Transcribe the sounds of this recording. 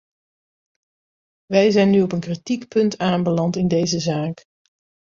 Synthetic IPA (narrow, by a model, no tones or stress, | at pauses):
ʋɛjzɛjnyɔpənkritikpɵntaːmbəlɑntɪndejzəzaːk